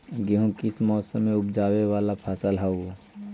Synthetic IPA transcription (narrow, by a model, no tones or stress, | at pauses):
ɡeɦũkɪsmɔːsəmːẽʊpd͡ʒaːwewaːlapʰaːsəlɦau